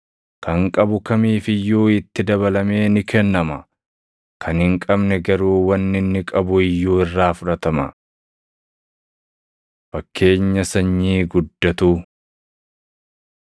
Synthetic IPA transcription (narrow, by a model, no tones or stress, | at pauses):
kɐŋkʼɐbʊkɐmiːfɪjːuːɪt̪ːɪd̪ɐβɐlɐme̞ːnɪkɛnːɐmɐ | kʰɐnhɪŋkʼɐbnɛɡɐɾuːwɐnːɪnːɪkʼɐbʊɪjːuːɪrːaːfʊɾɐt̪ɐmɐ̰ | fɐkːe̞ːɲːɐsɐɲːiːɡʊd̪ːɐt̪uː